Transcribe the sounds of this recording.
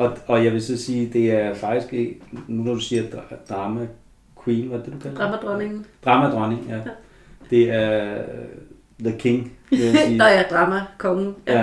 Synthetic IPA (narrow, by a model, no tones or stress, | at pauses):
ɒ̽ɒ̽jɑ̈ɪʋe̝sɒ̽siːd̥e̝æɐfɑ̈ɡ̥̚d̥isɡ̥eɡnunɒd̥usiːɐd̥d̥ʁɑ̈ːmæ | kʰwiːnʋædd̥ed̥ukʰælɑmd̥ʁɔneŋ̩d̥ʁɑ̈ːmæd̥ʁɶne̝ŋjæ | d̥e̝æɐ | ðəkʰe̝ŋe̝jæsiːd̥ʁɑ̈ːmækʰɒ̽ŋjjæ